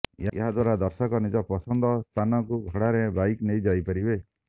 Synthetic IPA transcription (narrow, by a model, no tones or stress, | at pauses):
ḛɦad̪waɾad̪ɔɾsɔkɔnid͡ʒɔpɔsɔnd̪ɔst̪ʰanɔkuɡʱɔɽaɾebajknejd͡ʒajpaɾibe